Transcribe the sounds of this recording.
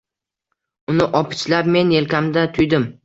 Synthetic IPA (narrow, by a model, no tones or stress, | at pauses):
ʊnɪʔɒpʰɪ̥t͡ʃlap̚me̞ne̞lkʲamd̪at̪ʰʊjd̪ɪm